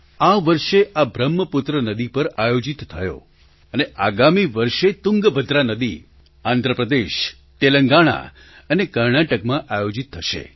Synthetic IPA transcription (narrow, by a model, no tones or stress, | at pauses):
aʋəɾʃeʔabʱɾəmːəpʊt̪ɾənəd̪ipəɾajod͡ʒit̪ʰːəjo̰ | əneʔaɡamiʋəɾʃet̪ʊŋɡbʱəd̪ʱɾanəd̪i | and̪ʱɾəpɾəd̪eʃ | t̪eləŋɡaɽ̃a̰ | ənekəɾɳaʈəkmãʔajod͡ʒit̪ʰːəʃḛ